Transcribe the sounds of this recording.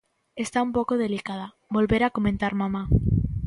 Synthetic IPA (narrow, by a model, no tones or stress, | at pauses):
est̪aumpokoð̞elikað̞a | bo̞lβeɾakomẽnt̪aɾmãma